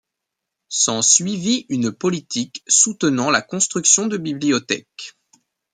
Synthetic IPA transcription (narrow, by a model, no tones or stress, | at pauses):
sɑ̃sɥiviynpɔlit̪ʰiksut̪ənɑ̃lakɔ̃st̪χyksjɔ̃d̪əbibliɔt̪ɛ̰k